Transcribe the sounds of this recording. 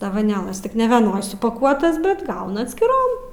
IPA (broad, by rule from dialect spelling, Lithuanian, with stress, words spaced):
ˈtɐs doːʋɐˈnʲeːlˠɐs ˈtʲɪk nʲɛʋʲiɛˈnoːj sʊpɐˈkuɔtɐs ˈbʲɛt ˈɡɐʊnɐ ɐtʲsʲkʲɪˈroːm